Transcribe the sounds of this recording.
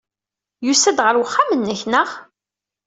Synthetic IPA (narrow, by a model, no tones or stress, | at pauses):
jusæd̪ʁəɾwəχːamənːəçnəʁ